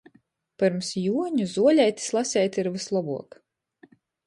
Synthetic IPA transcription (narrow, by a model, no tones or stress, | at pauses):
pɨɾmsjuɔɲuzuɔlʲɛjt̪ʲi̥slˠasʲɛjt̪ʲiɾvɨslˠɔbṵɔk